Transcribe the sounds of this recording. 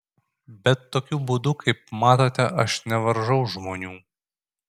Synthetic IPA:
bʲɛt̪ːoːkʲuːbuːd̪ʊkʰɐɪp̚mɑːt̪oːt̪ʲɛʔɐʃnʲɛʋɐɾʒɐʊʒmoːnʲuː

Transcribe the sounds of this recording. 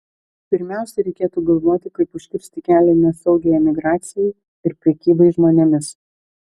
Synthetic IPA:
pʲɪɾʲmʲæˑʊsʲɛɾʲɛɪkʲeːt̪uːɡɐlˠʋoːt̪ʲɪkɐɪpʊʃʲkʲɪɾʲsʲt̪ʲɪkʲæːlʲɛnʲɛsɒʊɡʲɛjɛmʲɪɡɾɑːt̪sʲɪjɛɪ | ɪɾpʲɾʲɛkʲiːbɐɪʒmoːnʲɛmʲɪs

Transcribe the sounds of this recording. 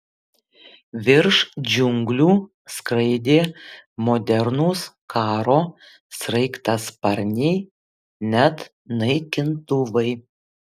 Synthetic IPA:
ʋʲɪɾʃd͡ʒʲʊŋɡlʲuː | skɾɐɪd̪ʲeːmoːd̪ʲɛɾnuːs | kʰɑːɾoː | sɾɐɪkt̪ɑspɐɾʲnʲɛɪ | nʲɛt̪ | nɐɪkʲɪnt̪ʊʋɐɪ

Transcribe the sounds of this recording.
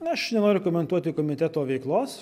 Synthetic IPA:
ɐʃnʲɛnoːɾʲʊkoɔmʲɛnt̪uɔt̪ʲɪkoːmʲɪt̪ʲɛt̪oːʋʲɛɪklˠoːs

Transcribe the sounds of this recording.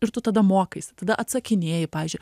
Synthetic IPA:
ɪɾt̪ʊt̪ɐd̪ɐmoːkɐɪsʲt̪ɐd̪ɐʔɐt̪sɐkʲɪnʲeːjɪpɑːʋʲizʲd͡ʒʲʊɪ

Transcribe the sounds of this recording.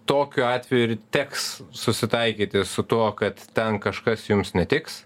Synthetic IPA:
t̪oːkʲʊɑːt̪ʲʋʲɛjuɪrt̪ʲɛkssʊsʲɪt̪ɐɪkʲiːt̪ʲɪssʊt̪uɔkɐt̪t̪ʲɛnkɐʃkɐsjʊmsnʲɛt̪ʲɪks

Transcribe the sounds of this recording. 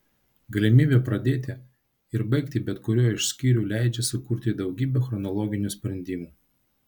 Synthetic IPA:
ɡɐlʲɪmʲiːbʲeːpɾɐd̪ʲeːt̪ʲɪ | ɪɾbɐɪkt̪ʲɪbʲɛt̪kʊɾʲoːɪʃsʲkʲiːɾʲuːlʲæɪd͡ʒʲɛsʊkuːɾʲt̪ʲɪd̪ɒʊɡʲiːbʲɛxɾɔnɔlˠɔːɡʲɪnʲuːˑsʲpʲɾʲɛnʲd̪ʲiːmuː

